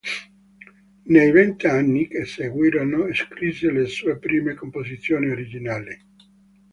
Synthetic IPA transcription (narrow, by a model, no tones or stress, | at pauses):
nejvent̪ianːikeseɡwiːɾonoeskɾiselesuːepɾiːmekompozit̪sːjoːnioɾid͡ʒinaːli